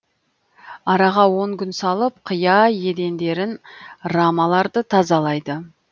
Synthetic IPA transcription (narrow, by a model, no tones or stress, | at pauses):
ɑɾɑʁɑwo̞ŋkʲʏnsɑlˠəp̚qʰəjɑje̞d̪e̞nd̪e̞ɾɪnramɑlˠɑɾd̪ət̪ʰɑzɑlˠɑjd̪ə